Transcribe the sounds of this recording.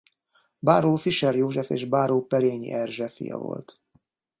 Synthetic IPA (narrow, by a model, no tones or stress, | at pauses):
baːɾoːfiʃɛɾjoːʒɛfeːʒbaːɾoːpɛɾeːɲḭʔɛrʒɛfḭjɒ̰vo̞̰lt̪